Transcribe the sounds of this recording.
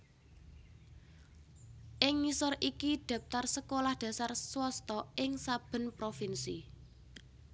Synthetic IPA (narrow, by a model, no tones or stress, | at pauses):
ʔɪŋːisɔrʔikid̪̥a̤p̚t̪arsəkolahd̪̥ä̤sarswɔst̪ɔɪŋsab̥ə̤npɾofinsi